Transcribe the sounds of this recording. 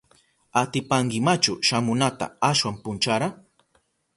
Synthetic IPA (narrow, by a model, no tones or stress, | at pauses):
at̪ɪpaŋɡɪmat͡ʃʊʃamʊnat̪a̰aʃwampʊnt͡ʃaɾa